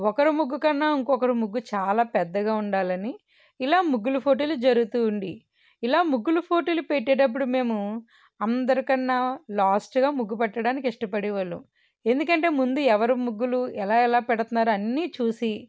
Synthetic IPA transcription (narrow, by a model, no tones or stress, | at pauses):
ɔkɐɾumuɡːukɐnːaːiŋkɔːkɐɾumuɡːut͡ʃaːlaːpɛd̪ːɐɡaːuɳɖaːlɐniː | laːmuɡːulupʰo̞ːʈeːlud͡ʒɐɾuɡut̪uːɳɖi | ilaːmuɡːulupʰo̞ːʈelupeʈːɛːʈɐp̬ːuɽume̞ːmu | ɐnd̪ɐɾikɐnːaːlaːsʈɡaːmuɡːupɛʈːɐɽaːnik̬iʂʈɐpɐɽiʋɐlːṵ | e̞nd̪ukɐɳʈe̞ːmund̪uɛʋɐɾumuɡːuluɛlaːɛlaːpɛɽɐt̪unːaːɾuɐnːiːt͡ʃuːsi